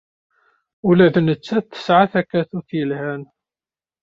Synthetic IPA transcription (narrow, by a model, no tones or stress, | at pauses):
ulæðnət͡sːæθθə̥sʕaθækːæθuθjəlhæn